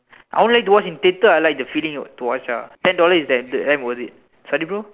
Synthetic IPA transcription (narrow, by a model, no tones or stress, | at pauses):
ʔa̰õnlajk̚tuwɔt͡ʃĩntetəajlaɪk̚dəfilĩŋtuwɔt͡ʃa̰tɛ̃ndɔləsdɛ̃ddɛ̃mwɔzit̚ | sɔdipɹo